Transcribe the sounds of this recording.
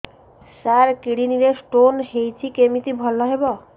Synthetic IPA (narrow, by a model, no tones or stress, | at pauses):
saɾkiɽiniɾesʈonɦejt͡ʃʰikemit̪ibʱɔlːɔɦebɔ